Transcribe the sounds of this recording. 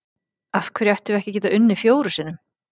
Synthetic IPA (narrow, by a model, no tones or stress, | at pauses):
afkʰvɛːɾiɛht̪ɪvɛhcɪcɛːt̪aʔʏnːɪfjoːwɾʏsɪnːʏm